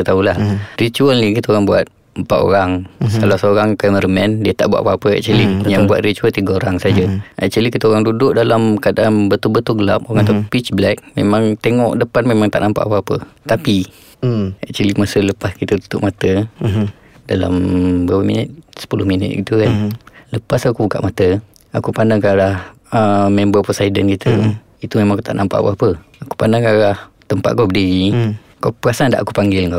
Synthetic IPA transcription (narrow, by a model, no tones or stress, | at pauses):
t̪aulahrit͡ʃuəlnikit̪əoɾaŋbua̰t̪̚ | mpaʔ̪o̰ɾaŋsalasoɾaŋkaməɾəmɛndiət̪a̰ʔbua̰ʔ̪apaapəɛ̰k̚t͡ʃəlijaŋbua̰t̪ɾit͡ʃuəlt̪iɡəoɾaŋsad͡ʒəʔɛ̰k̚t͡ʃəlikit̪əoɾaŋdudʊʔ̚dalamkadambət̪ubət̪uɡəlap̚oɾaŋt̪apit͡ʃblɛk̚mḛmãŋt̪eŋɔʔdəpanmemaŋt̪a̰ʔnampa̰ʔapaapət̪api | ɛk̚t͡ʃulimasələpaskit̪ət̪u̥t̪ʊʔmat̪ə | dala̰mbəɾapəmḭnət̪̚sə̥pulʊhminə̰t̪̚ɡit̪ukanləpasakubuka̰ʔmat̪ə | akupanakaɾah | əmɛmbəposaidənkit̪ʰə | it̪umemãŋakut̪aʔnʔampaʔa̰waapə | aku̥panakaɾaht̪əmpa̰ʔ̪̚kowbədii | kopəɾasandaʔakupaŋɡɪlŋka